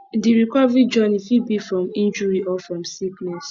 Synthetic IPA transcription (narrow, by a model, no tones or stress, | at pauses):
diɹikɔvɹid͡ʒɔnifibifɹɔ̃mĩnd͡ʒuɹiʔɔfɹɔ̃msiknɛs